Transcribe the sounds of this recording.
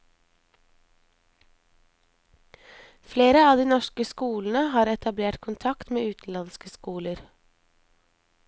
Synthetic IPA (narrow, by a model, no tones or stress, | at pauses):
fleːɾəɑːd̪iːnɔʃkəskuːln̩əhɑːɾɛt̪ɑbleːʈkʰʊnt̪ʰɑkt̪meːʉːt̪n̩lɑnskəskuːləɾ